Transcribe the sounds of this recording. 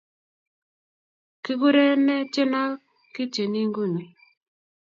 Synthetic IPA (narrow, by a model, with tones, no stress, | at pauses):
kɪ˦ɡu˦ɾe˦nɛ˦t͡ʃe˦na˦ | kɪ˦t͡ʃe˨ni˦ŋɡu˦˨ni˨